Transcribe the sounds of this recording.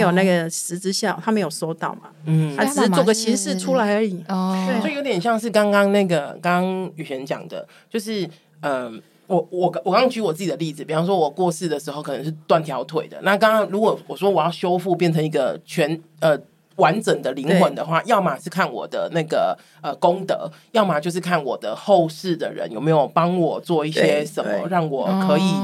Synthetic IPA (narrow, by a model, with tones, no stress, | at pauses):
jo˨˩na˥˩ɡə˩ʂɻ̩˧˥t͡sɻ̩˥ɕjɑ˥˩˨ʊt̪ʰa˥me˧˥ɪjo˨˩ʊso˥ʊt̪ɑ˥˩ʊma̰˩n̩ʰ˥˩a˥ʈ͡ʂ̩˨˩˥t͡so˨˩ʊɡə˧t͡ɕʰi˧˥ŋʂɻ̩˥˩ʈ͡ʂʰu˥la˧˥ɪə˞˧˥i˨˩˦sɔ˥i˨jo˧˥t̪jɛ˨˩nɕjɑ˥˧ŋʂ̬ɻ̩˥˩kɑ˥ŋkɑ˥ŋna˥˩ɡə˩kɑ˥ŋɑ˥ŋy˨˩ɕɥɛ˧˦˥nt͡ɕjɑ̰˨˩ŋd̪ə̰˦ | t͡ɕjo˥˧ʊʂɻ̩˥˩ | ə˧˩ | wɔ˨˩ɔ˨˩wkɑ˦ŋɑ˥ŋt͡ɕy˧˥wɔ˨˩t͡sɹ̩˥˩t͡ɕi˨˩d̪ə˦li˥˩d͡zɹ̩˨˩pi˨˩fɑ˥ʂwɔ˥wɔ˨˩kwɔ˥˧sɹ̩˥˩d̪ə˩ʂɻ̩˧˥xo˥˩ʊkʰɤ˨˩nə˧˦ŋʂɻ̩˥˧˩t̪wa˥˩nt̪ʰjɑ˧˥ʊt̪ʰwe˨˩ɪd̪ə̰˩˦na˥˧kɑ˥ŋɑ˥ŋlu˧˥kwɔ˨˩wɔ˨˩ʂwɔ˥wɔ˨˩jɑ˥˩ʊɕjo˥ʊfu˥˧pjɛ˥˩nʈ͡ʂʰɤ˧˥ŋi˧˥ɡə̰˧t͡ɕʰɥɛ˧˥nə˧˩ | wa˧˦nʈ͡ʂə˨˩ŋd̪ə˦li˧˥ŋxwə˧˦nd̪ə˧xwa˥˩jɑ˥˩ʊma˨˩ʂɻ̩˥˧kʰa˥˩nwɔ̰˨˩d̪ə̰˦na˥˩ɡə̰˩ | ə˧˩ko˥ŋt̪ɤ̰˧˦jɑ˥˩ʊma˨˩t͡ɕjo˥˧ʊʂ̬ɻ̩˥˧kʰa˥˩nwɔ˨˩d̪ə˦xo˥˧ʊʂɻ̩˥˩d̪ə̰˩ɻə̰˧˦njo˨˩ʊme˧˥ɪjo˨˩ʊpɑ˥ŋwɔ˨˩t͡swɔ˥˧i˥˩ɕjɛ˥ʂə˨˩mmə̰˦ɻɑ˥˩ŋwɔ˨˩˦kʰɤ˧˥i˨˩